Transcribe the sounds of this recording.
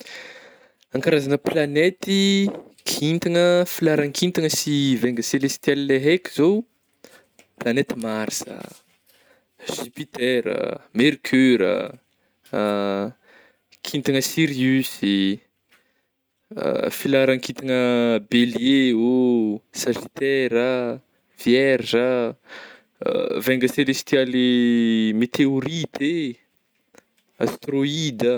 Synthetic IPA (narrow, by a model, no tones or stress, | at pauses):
aŋkaɾazanəplanet̪ikʰint̪iŋəfilaɾaŋkʰint̪iŋəsiveŋɡəselest̪jalleɦekizow | planet̪imaɾsə̰ | ʒ̥ypit̪eɾə̰meɾkʰyɾə̰ | kʰint̪aŋəsiɾiysi | ə̰filaɾaŋkit̪aŋəbeljeosaʒit̪ɛɾə | vjɛrʒə | vɛŋɡəselest̪ialimet̪eoɾit̪ʰe | a̰st̪ɾoid̪ə